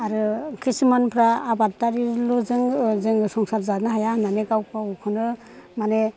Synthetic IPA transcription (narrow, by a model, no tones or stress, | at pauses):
aɾɯkʰisimanpʰɾaːbat̚taɾiluzɯŋzɯŋsɔŋsat̚zanaɦajananekawpʰaukʰɯnɯ | mane